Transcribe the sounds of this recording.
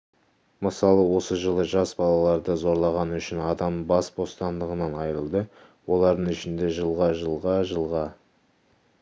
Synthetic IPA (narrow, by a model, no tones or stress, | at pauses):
məsɑlˠəwo̞səʒəlˠəʒɑsbɑlˠɑlˠɑɾd̪əzo̞ɾlˠɑʁɑnʏʃɪnɑd̪ɑmbɑsbo̞st̪ɑnd̪əʁənɑnɑjɾəlˠd̪ə | wo̞lˠɑɾd̪əɴʏʃɪnd̪e̞ʒəlˠʁɑʒəlˠʁɑʒəlˠʁɑ